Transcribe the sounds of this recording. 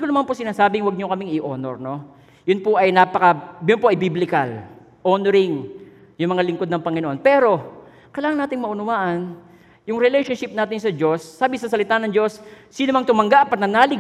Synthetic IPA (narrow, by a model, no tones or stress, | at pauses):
d̪ɪkonɐmanposɪnaːsaːbɪŋwɐɡ̚ɲokɐmɪŋɪʔoːno̰ɹno̞ | jʊnpoʔɐjnapɐkɐjʊnpoʔɐjbiblɪkɐl | ʔoːnoɾɪŋ | jʊŋmɐŋalɪŋko̞d̪̚nɐŋpɐŋɪnoʔo̞npɛːɾo̞ | kɐlaːŋɐŋnaːt̪ɪŋmɐʔʊnʊwaːʔɐn | jʊŋɾɪlɛjʃonʃɪp̚naːt̪ɪnsɐd͡ʒo̞sːaːbɪsɐsɐlɪt̪aːnɐŋd͡ʒo̞sː | iːnomɐŋt̪ʊmɐŋɡaʔpɐt̪nɐnaːlɪ